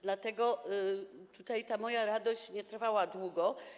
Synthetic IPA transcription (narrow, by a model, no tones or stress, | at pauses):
d̪lat̪ɛɡɔ | t̪ut̪ajt̪amɔjaɾad̪ɔɕt͡ɕɲɛt̪ɾfawad̪wuɡɔ